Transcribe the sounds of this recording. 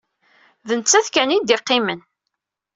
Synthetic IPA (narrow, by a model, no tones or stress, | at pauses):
ðənt͡sːæθkænid̪iqːɪmən